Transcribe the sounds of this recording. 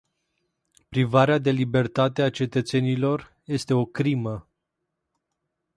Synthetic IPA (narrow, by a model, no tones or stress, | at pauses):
pɾivaɾead̪e̞libe̞rt̪at̪e̞at͡ʃe̞t̪ət̪se̞nilo̞r | je̞st̪e̞o̞kɾimə